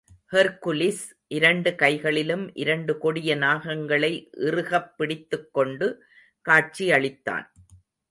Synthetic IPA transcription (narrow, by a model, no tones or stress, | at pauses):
hɐɾkʊlɪs | ʔɪɾɐɳɖɯkɐɪɣɐɭɪlɯmʔɪɾɐɳɖɯkɔɽɪjɐnaːɣɐŋɡɐɭɐɪʔɪrɯɣɐpːɪɽɪt̪ːɯkːɔɳɖɯ | kaːʈ̚t͡ʃiɐɭɪt̪ːa̰ːn